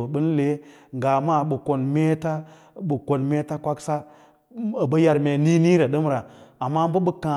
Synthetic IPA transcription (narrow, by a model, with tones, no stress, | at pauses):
ɓɨ˦n˦le˨˦ | ŋɡa˨ma˦˨ɓu˨ko˨nme˦ta˦ | ɓu˨ko˨nme˦ta˦kʷa˦ksa˦˨ | bə˦ja˨ɾme˨ni˦ni˦ɾa˨ɗə˦m˦ɾa˨a˨mːa˦m˦bə˦ɓə˦kã˨